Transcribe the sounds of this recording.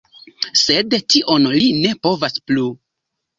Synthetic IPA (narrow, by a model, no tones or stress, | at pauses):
se̞dtiʔo̞nline̞po̞vasplu